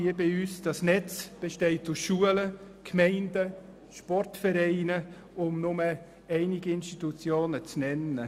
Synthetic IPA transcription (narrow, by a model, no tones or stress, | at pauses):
iəbiyːsd̥ɑsnɛt͡sb̥eʃteɪt̚dʊʃuələ | kʰmɛɪnd̥ə | ʃpɔrtfɛɾɛɪnə | ʊmnʊmə | ɛɪnɪɡəɪnstitut͡sjoːnət͡snɛnə